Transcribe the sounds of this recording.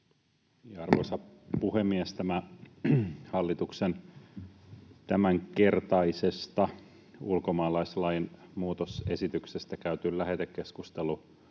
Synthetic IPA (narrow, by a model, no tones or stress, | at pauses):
jɑɑrʋo̰sɑpuhemːiest̪æmæ | hɑlːit̪uksen | t̪æmæŋke̞rt̪ɑisest̪ɑ | ulkomɑːlɑislɑjinmuːt̪osḛsit̪yksest̪ækæyt̪yllæhet̪ekkeskust̪elu